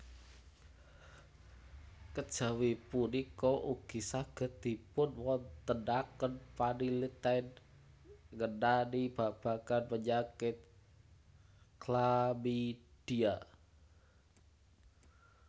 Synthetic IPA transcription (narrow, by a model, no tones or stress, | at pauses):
kəd̥ʒ̥a̤wipunikoʔuɡ̥i̤saɡ̥ə̤t̪̚d̪̥i̤pʊnwɔnt̪əndakənpanilit̪aɪn | ŋənanib̥a̤b̥a̤kanpəɲakɪt̪̚ | klamid̥ia